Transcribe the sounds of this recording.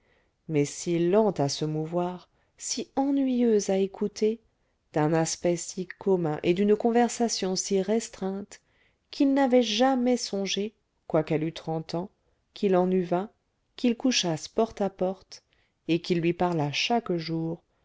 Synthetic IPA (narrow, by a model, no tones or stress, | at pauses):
mɛsilɑ̃t̪asəmuvwaʁ | siɑ̃nɥijøzaekʰut̪e | d̪̥ɛ̃naspɛsikʰɔmɛ̃ʔed̪ynkɔ̃vɛʁsasjɔ̃siʁest̪χɛ̃t̪ | kʰilnavɛʒamɛsɔ̃ʒe | kwakɛlyt̪χɑ̃t̪ɑ̃ | kʰilɑ̃nyvɛ̃ | kilkuʃaspɔʁt̪apɔʁt̪ | ekilːɥipaʁlaʃakʒuːʁ